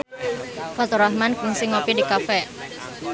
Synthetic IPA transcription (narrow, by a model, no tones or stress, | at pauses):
fat̪oɾahmankuŋsiŋopidikafɛ